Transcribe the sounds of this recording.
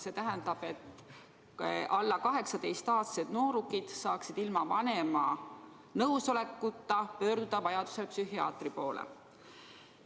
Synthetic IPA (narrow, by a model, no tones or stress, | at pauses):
se̞t̪æɦɛnd̪ɑb̥e̞t̪ː | ʔɑlːɑkɑɦe̞ksɑt̪e̞jst̪ɑːt̪se̞d̪̥no̞ːɾukid̪̥sɑːksid̪̥ilmɑvɑne̞mɑ̰ | nɤwso̞le̞kːut̪ːɑpø̞ːrd̪ud̪̥ɑvɑjɑd̪̥u̥sepsyɦiɑ̰ːt̪ripo̞ːlḛ